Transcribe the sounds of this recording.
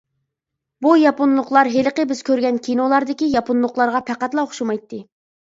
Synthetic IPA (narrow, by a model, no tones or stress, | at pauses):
bujɑpunlˠʊχlˠɑɾɦeləqəbɪz̥kʲʰøɾɡʲɛnkʲinolˠɑɾd̪ɪkʲijɑpunlˠʊqlˠɑɾʁɑpʰæqæt̪lˠɑoχʃumɑjt̪ːɨ